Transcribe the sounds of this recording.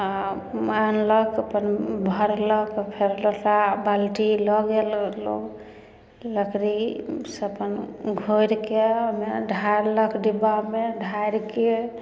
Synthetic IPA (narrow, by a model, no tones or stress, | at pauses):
a | manləkʰəpənbʱəɾləkʰpʰeɾlotabalʈilɔɡello̰ɡ | ləkɾisəpənɡʱoɾkeəmeɖʱajɾləkʰɖibameɖʱajɾke